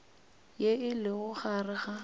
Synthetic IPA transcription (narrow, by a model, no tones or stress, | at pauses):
jeɪlɪɣʊχarɪɣa